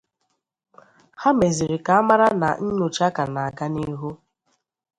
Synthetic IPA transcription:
ha˦me˨zi˨ɾi˨ka˨a˦ma˦ɾa˦na˨n̩˦ɲo˨t͡ʃa˦ka˨na˨a˨ka˦ni˦ɦu˦

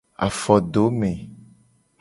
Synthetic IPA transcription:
a̰˨fɔ˨ɖo˨˦mẽ˨

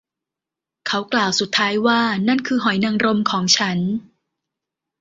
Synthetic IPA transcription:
kʰa˦˥wklaː˨˩wsu˨˩t̪ʰːaː˦˥jwaː˥˩na˥˩nkʰɯː˧ɦɔ˨˩˦jna˧ŋɾo˧mkʰɔː˩˦ŋt͡ɕʰa˦˥n

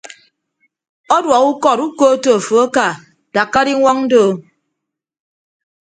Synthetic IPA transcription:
ɔ˦dwɔ˨ku˦kɔ˦˨ɾu˦koː˦to˨fo˨a˦ka˨ | d̥a˨kːa˦di˦ŋʷɔ˦ŋn̩˦do˦˨

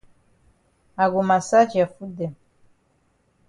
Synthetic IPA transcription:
a˨ɡu˨ma˨sa˦d͡ʒi˨a˨fu˦dɛ˨m

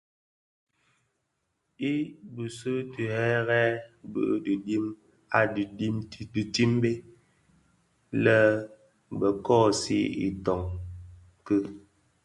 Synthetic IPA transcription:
i˦bu˨sə˦tə˨hɛ˦ɣɛː˦bə̰˦ʔdi˨di˦m | a˨ddi˦m˦di˨ti˦mbe˦ | lɛ˦ | bə˨kɔː˦˨sḭ˦ḭ˨tɔ˨ŋ | kɨ˦

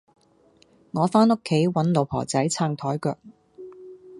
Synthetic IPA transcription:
ŋɔː˨˧faː˥nʊ˥kʰːe˨˥jwɐ˨˥nlo˨˧wpʰɔ̰ː˨˩t͡sɐ˨˥jt͡sʰaː˧ŋt̪ʰɔː˨˥jkœː˧k̚

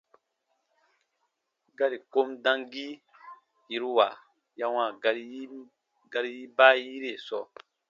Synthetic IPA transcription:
ɡa˦ɾi˨ko˦mdã˦ŋɡi˦ | ji˨˦ɾwa˨ | ja˦wã˨ɾ | ɡa˧ɾi˦ji˦ba˦ji˦ɾe˨sɔ˨

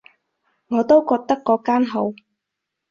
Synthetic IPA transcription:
ŋɔː˨˧t̪o˥wkɔː˧k̚t̪ɐ˥kːɔː˨˥kaː˥nɦo˨˥w

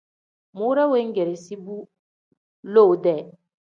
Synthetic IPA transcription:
mu˦ɾa˦we˦ŋ̩˦ɡe˨ɾe˨si˦bu˦ | lo˦˨dɛ˦˨

